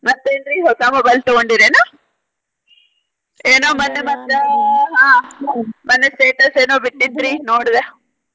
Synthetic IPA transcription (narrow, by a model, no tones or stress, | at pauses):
mɐt̪ːeind̪ɾiːɦok̪aːmɐbɐlt̪oɡoɳɖiɾenɐ | eːnoːmɐnːemɐt̪ːeɦãː | mɐnːesʈeːʈɐseːnoːbiʈːind̪ɾiːnoːɽd̪e